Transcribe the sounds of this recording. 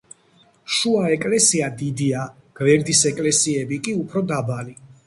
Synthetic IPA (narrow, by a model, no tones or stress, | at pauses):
ʃuaɛkʼlɛsiad̪id̪ia | ɡ̥vɛɾd̪isɛkʼlɛsiɛbikʼiupʰɾɔd̪abali